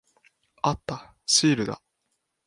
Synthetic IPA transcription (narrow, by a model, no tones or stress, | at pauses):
at̪ːa | ɕiːɾɯ̟d̪a̰